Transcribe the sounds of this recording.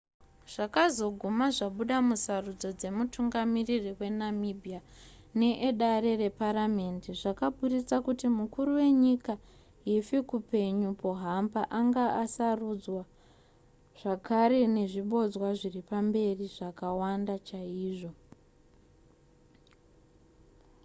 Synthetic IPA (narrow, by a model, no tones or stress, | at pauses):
ʐ̥akazo̞ɡʱumaʐaɓuɗamusarud͡zo̞d͡ze̞mutʰuŋɡamiririwe̞namibʱija | ne̞ʔeɗaɾe̞re̞paɾame̞ndiʐakaɓurit͡sakutimukuɾuwe̞ɲika | ɦifikupe̞ɲupo̞ɦambaʔaŋɡaasarud͡zwa | ʐ̥akʰaɾe̞ne̞ʐiɓo̞d͡zwaʐiripambe̞riʐakawandat͡ʃaiːʐo̞